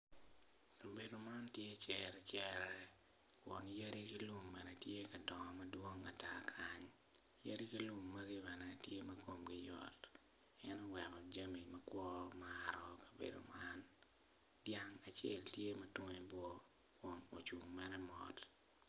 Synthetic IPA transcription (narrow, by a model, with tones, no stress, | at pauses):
ka˨be˨do˨ma˦ntje˦t͡ʃɛɾɛ˨t͡ʃɛɾɛ˦ | kwɔ̰˨ŋja˦ɾi˦ki˦lu˦ŋmɛ˨nɛtje˦kɐ˨dɔ˨ŋɔ˨mɐdwo˦ŋa̰˨takʰaɲ | ja˦ɾi˦ki˦lu˦ŋːɐ˦ɡi˦bɛ˨nɛ˨tje˦mɐ˦ko˦mɡɪ˦jɔ̰˨t | ɛ˦nɔ˦wɛ˨kɔ˨d͡ʒa˦mi˨mɐkwɔ˦maɾɔ˨kɐ̥˨bḛ˨do̰˨ma˦n | dja˦ŋa˨t͡ʃḛ˦ltje˦mɐ˦tʊ˦ŋɛ˦bwɔ˦ | kwɔ˨ŋo˨t͡ʃu˨ŋmɛ˦ɾɛ˦mɔ̰˨t